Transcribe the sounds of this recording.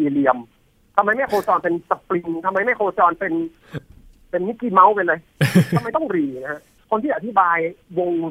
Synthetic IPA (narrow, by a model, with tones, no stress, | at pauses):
iː˨˩li˧əm | t̪ʰa˧mːa˧jma˥˩jkʰoː˧t͡ɕɔː˧npe˧nsa˧pli˧ŋt̪ʰa˧mːa˧jma˥˩jkʰoː˧t͡ɕɔː˧npe˧n | pe˧nːi˦˥˩kːi˧ma˦˥wpe˧nla˧j̪ʰa˧mːa˧jt̪ɔ˥˩ŋɾiː˨˩na˦ha˦˥ʔ | kʰo˧nt̪ʰiː˥˩ʔa˧˩t̪ʰi˦˥˩baː˧jwo˧ŋ